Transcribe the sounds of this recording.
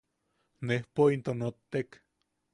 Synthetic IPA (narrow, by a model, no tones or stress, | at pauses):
nehpoint̪onot̪ːek